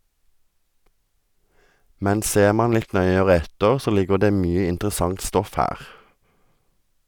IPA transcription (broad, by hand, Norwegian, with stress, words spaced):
ˈmɛn ˈseːʁ ˈmɑːn ˈlɪt ˈnœʏəʁə ˈɛtəʁ ˈsoː ˈlɪɡəʁ ˈdeː ˈmyːə ɪntʁəˈsɑŋt ˈstɔf ˈhæːʁ